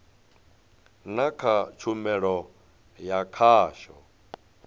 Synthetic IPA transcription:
nakʰat͡ʃʰumɛɺɔ | jakʰaːʃɔ

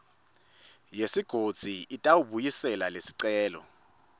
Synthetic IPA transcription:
jesiɡ̥ʱod̥z̥ʱiitʼawuɓujisɛlalesi̥ǀɛːlɔ̰

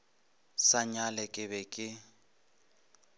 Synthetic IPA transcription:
saɲalɛkʼɪβɛkʼɪ

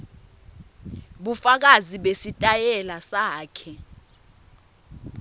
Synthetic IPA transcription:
ɓufak̬aziɓesitʼajɛlasaːkʰɛ

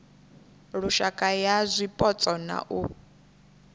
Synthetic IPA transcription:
ɺuʃakʼajazʷipʼɔt͡sʼɔna̰ʔu

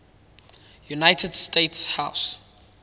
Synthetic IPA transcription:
junaɪtʰədstʰetshaʊs

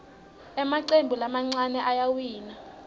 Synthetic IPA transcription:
ɛmaǀembʱulamaŋ͡ǀanɛʔajawiːna

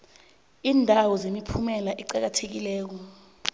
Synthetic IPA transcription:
iːndʱawɔzemipʰumɛlaʔɛǃak̬atʰek̬ilɛːk̬ɔ

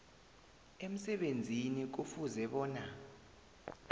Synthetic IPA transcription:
em̩sɛɓend͡zʱinik̬ufuzɛɓɔːna

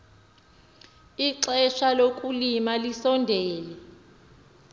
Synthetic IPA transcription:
iǁɛʃalokʼulimalisɔndʱɛːlɛ

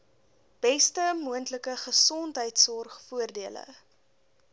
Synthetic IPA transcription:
b̥ɛstəmuəntləkəχəsɔntɦəjtsɔrχfuərdiələ̰

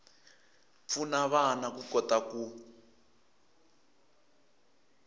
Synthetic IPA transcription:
p̪funaβanakukɔt̪aku

